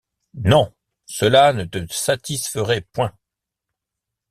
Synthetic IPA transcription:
nɔ̃ | səlanət̪əsat̪isfəʁɛpwɛ̃

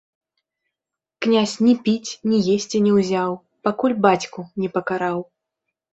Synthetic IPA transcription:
knʲasʲnʲɛpʲit͡sʲnʲijesʲt͡sʲinʲɛwzʲaw | pakulʲbat͡sʲkunʲɛpɐkaɾaw

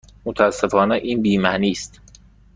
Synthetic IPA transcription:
mot̪ʰææsːe̞fɒːneʔiːnbiːmæniːst̪

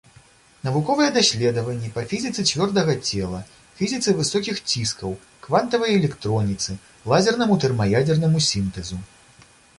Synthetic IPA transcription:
nɐvukɔvɨjɛd̪asʲlʲɛd̪ɐvɐnʲːipɐfʲizʲit̪sɨt͡sʲvʲɔrd̪ɐɣɐt͡sʲɛlˠɐ | fʲizʲit̪sɨvɨsɔkʲixt͡sʲiskɐw | kvant̪ɐvɐjɐɛlʲɛkt̪ɾɔnʲit̪sɨ | lˠazʲɛrnɐmut̪ɛrmɐjad͡zʲɛrnɐmusʲint̪ɛzu

